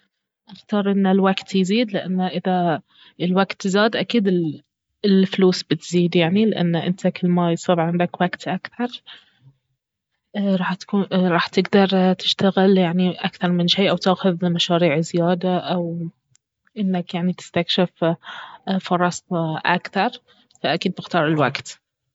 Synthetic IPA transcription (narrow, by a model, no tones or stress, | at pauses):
ʔɑxt̪ɑɾˤʔɪnːalwaɡt̪jziːd̪lɪʔanːʔɪða | ɪlwaɡt̪ːzaːd̪ʔakiːd̪ɪ | ɪlfluːsbɪt̪ziːd̪jaʕnilɪʔa̰nːʔɪ̰nt̪akɪlmajsˤɑːbʕɪnd̪akwaɡt̪ʔakθɑɾˤ | ʔɾˤɑːħt̪kuɾˤɑːħt̪ɪɡd̪ɑɾˤt̪ɪ̥ʃt̪aɣɪljaʕniʔakθɑɾˤmɪnʃiːʔawt̪aːxʊðmaʃaːɾiːʕzɪjaːd̪aʔaw | ʔɪnːakjaʕnit̪ɪ̥st̪akʃɪf | fɑɾˤɑst̪ʔa̰kθɑɾˤ | faʔakiːd̪̚bɪxt̪ɑːɾˤɪlwaɡt̪